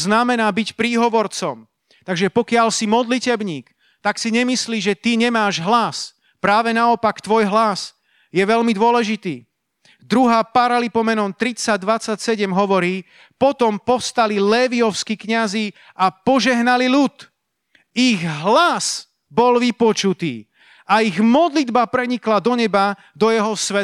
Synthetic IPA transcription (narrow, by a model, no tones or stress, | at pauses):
znamɛnaːbicpɾiːɦɔʋɔɾt͡sɔm | t̪aɡʒɛpɔkɪalsimɔd̪licɛbɲiːk | t̪aksiɲɛmisliːʒɛt̪iɲɛmaːʒɦlas | pɾaːʋɛnaɔpakt̪ʋɔjɦlas | jɛʋɛʎmid̪ʊɔlɛʒit̪iː | d̪ɾuɦaːpaɾalipɔmɛnɔmt̪ɾit͡saɟ̚d̪ʋat͡sːacsɛɟɛmɦɔʋɔɾiː | pɔt̪ɔmpɔfst̪alilɛːʋiɔʊskikɲazi | apɔʒɛɦnalilut̪ | iɣɦlas | bɔlʋipɔt͡ʃut̪ḭː | aiɣmɔd̪lid̪bapɾɛɲiklad̪ɔɲɛba | d̪ɔjɛɦɔsʋɛ